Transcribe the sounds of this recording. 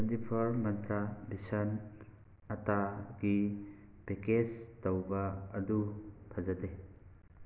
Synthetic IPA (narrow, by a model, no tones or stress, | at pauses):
ɐndipʰɐɾmɐnt̪ɾabisɐn | ɐtaɡi | bekestɔwbaːdutʰad͡ʒade